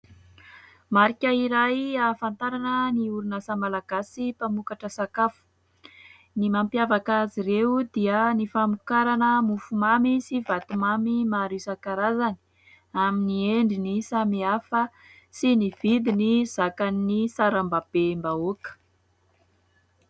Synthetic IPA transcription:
maɾikʲəiɾajafant̪aɾanəniuɾunasamalaɡasipamukaʈ͡ʂəsakafu̥ | nimampjavakaziɾewd̪iənifamukaɾanəmufumamisivat̪umamimaɾisakaɾazani̥ | aminieɳɖ͡ʐinisamiafə | siniv̥id̪iniz̥akannisaɾambab̥embaokə̥

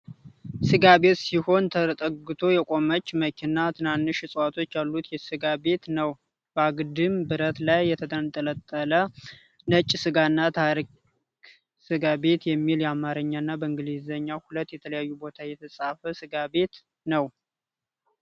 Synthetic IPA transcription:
sɨɡabe̞t̪siho̞nt̪ʰət̪ʼəɡɨt̪ʰo̞jɛkʷʼo̞mət͡ʃːməkʰinat̪ʰɨnanːɨʃɨsʼwat̪ʰo̞t͡ʃːjalːut̪jɛsɨɡabe̞t̪nəw | bəaɡɨd̪ɨmbɨɾət̪lajːɛt̪ʰət̪ʰənt̪ʼələt̪ʼːələ | nət͡ʃʼːsɨɡanːat̪ʰaɾi | k | sɨɡabe̞t̪jɛmːiljɛamaɾɨɲːanːabəɨŋɡɨlizəɲːahulət̪ːjɛt̪ʰələjajːubo̞t̪ʰajɛt̪ʰəsʼafəsɨɡabe̞t̪ | nəw

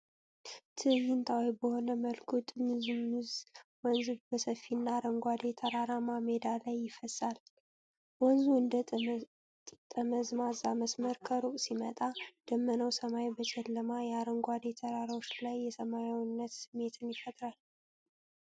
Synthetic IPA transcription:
t̪ʰɨjɪnt̪ʰʼawijbəho̞nəməlkʰut̪ʼɨmɨzumːɨzwɔnzɨbəsəfːinːaɾəŋɡʷad̪e̞t̪ʰəɾaɾamamed̪alajːɪfəsal | wɔnzuɨnd̪ə | t̪ʼəməzmazaməsməɾkʰəɾuʔʼsimət̪ʼad̪̥əmːənəwsəmajbət͡ʃʼɛlːəmajɛaɾəŋɡʷad̪e̞t̪ʰəɾaɾawot͡ʃːlajːɛsəmajawnːət̪sɨmːe̞t̪ʰɨnjɪfət̪ʼɾal

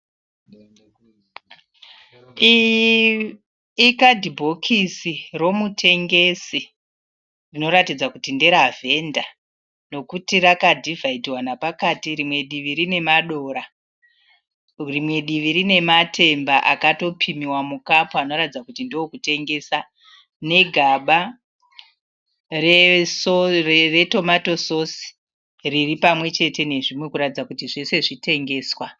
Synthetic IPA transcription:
ikadʱibʱo̞kʰisiro̞mutʰe̞ŋɡe̞si | rino̞ɾatid͡zakutinde̞ɾavʱe̞nda | no̞kutirakadʱivʱaitiwanapakatirimwe̞ɗiʋiɾine̞maɗo̞ɾa | rimwe̞ɗiʋiɾine̞matʰe̞mbaʔakato̞pʰimiwamukapoano̞ɾatid͡zakutindio̞kute̞ŋɡe̞ːsa | ne̞ɡʱaɓa | rore̞to̞mato̞sosi̥ | riripamwe̞t͡ʃe̞te̞ne̞ʐimwe̞kuɾatid͡zakutiʐe̞se̞ʐite̞ŋɡe̞ːswa

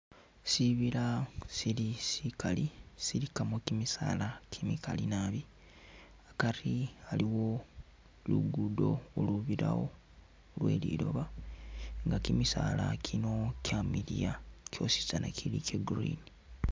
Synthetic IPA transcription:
siβiɾasilisikalisiɾikamokimisa̰ːlakʰimikʰalinaːβi | akaɾialiwo̞ | lṵɡudo̞oluβiɾa̰wo̰ | lwe̞ːlḭːɾo̞̰βa | ŋɡakimisaːlakʰino̞cʰamiɾijakʰo̞̰si̥sanakʰilikʰeɡɾḭni

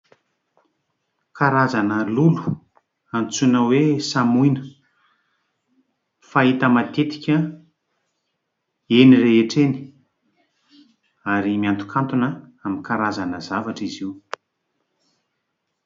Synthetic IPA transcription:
kaɾazanəlulu̥ | ant͡sunəwesamujnə̥ | fait̪əmat̪et̪i̥kʲə | enireeʈ͡ʂeni̥ | aɾimiant̪u̥kʰant̪unə | amikaɾazanəzavaʈ͡ʂiziw

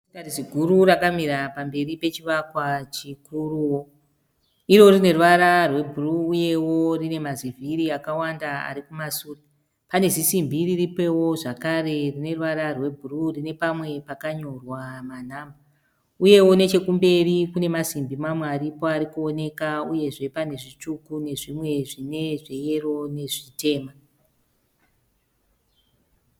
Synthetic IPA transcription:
tarisiɡʱuɾurakamiɾapambe̞ripe̞t͡ʃiʋakwat͡ʃikuruwo̞ | iɾo̞rine̞ruaɾarwe̞bʱuruːje̞wo̞rine̞mazivʱiɾiakawandaa̰ɾikumasuːri | pane̞zisimbiriripe̞wo̞ʐakaɾe̞rine̞ruʋaɾarwe̞bʱururine̞pamwe̞pakaɲo̞rwaman̤aːmba | uje̞wo̞ne̞t͡ʃe̞kumbe̞rikune̞masimbimamweaɾipo̞aɾikuone̞kauje̞ʐe̞pane̞ʐit͡ʃukune̞ʐimwe̞ʐine̞ʐe̞je̞ro̞ne̞ʐite̞ːma

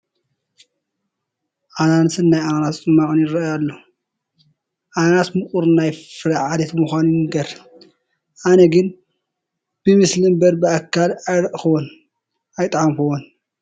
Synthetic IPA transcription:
ʔanant̪ɨnːajananat̪t͡sʼɨmːaʕunjɪɾɐjalːo | ʔananat̪mɨkʼuɾnajfɨɾaʕad̪et̪muxʷanuɨɡɐɾ | ʔanɐɡɨn | b̥ɨmɨslimbɐɾbɨakʰːalajɾɐʔxɨwon | ajt̪ʼʕamkɨwon

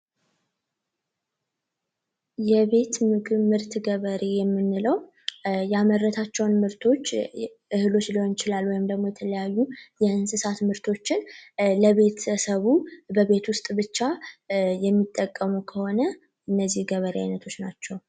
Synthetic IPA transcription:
jɛβe̞t̪mɨkʼɨmɨɾt̪ʰɡəβəɾejɛmːɨnːɨləw | jamərːət̪ʰat͡ʃːɛwnmɨɾt̪ʰo̞t͡ʃː | ʔɨhɨlo̞t͡ʃlihont͡ʃɪlalwɔjɪmd̪əɡmo̞jɛt̪ʰələjajːujɛʔɨnsɨsat̪mɨɾt̪ʰo̞t͡ʃːɪnləβe̞t̪əsəβubəβe̞t̪wʊst̪ʼbɨt͡ʃːajɛmːit̪ʼːəkʼːəmukʰəho̞nə | ʔɨnːəzːihɡəβəɾea̰jnət̪ʰo̞t͡ʃːnat͡ʃːɛw

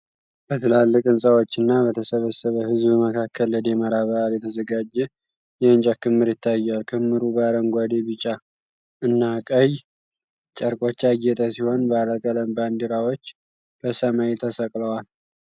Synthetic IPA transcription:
b̥ət̪ʰɨlalːɨkʼɨnsʼawo̞t͡ʃːɨnːaβət̪ʰəsəβəsːəβəhɨzbməkʰakʰːəlːəd̪jɛməɾaβəʔaljɛt̪ʰəzəɡad͡ʒːɛ | jɛɨnt͡ʃʼakʰɨmːɨɾjɪt̪ʰːajːalkʰɨmːɨɾubəaɾəŋɡʷad̪ebɨt͡ʃʼa | ɨnːakʼəj | t͡ʃʼəɾkʼo̞t͡ʃːaɡɛt̪ʼəsiho̞nbəaləkʼələmband̪iɾawo̞t͡ʃː | b̥əsəmajet̪ʰːəsəkʼləwal

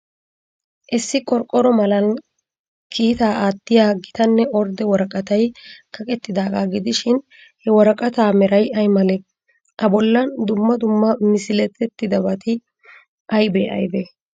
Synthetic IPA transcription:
ʔɛsːɪkʼɔɾkʼːɔɾɔmɐlɐn | kʰiːt̪aːʔaːt̪ːɪjaːɡɪt̪ɐnːɛɔɾd̪ɛwɔɾɐkʼɐt̪ɐjkʰɐkʼɛt̪ːɪd̪aːɡaːɡɪd̪ɪʃɪn | hɛwɔɾɐkʼɐt̪aːmɛɾɐjɐjmɐlɛ | ʔɐbɔlːɐnd̪ʊmːɐd̪ʊmːɐmɪsɪlɛt̪ːɛt̪ːɪd̪ɐbɐt̪ʰɪ | ʔɐjbɛʔɐ̰jbɛ

